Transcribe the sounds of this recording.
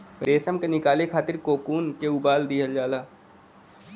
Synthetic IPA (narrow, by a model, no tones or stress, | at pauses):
pɾeːsəmkenɪkaːlekʰaːt̪ɪɾkoːkuːnkeubaːld̪iːɦəld͡ʒaːlaː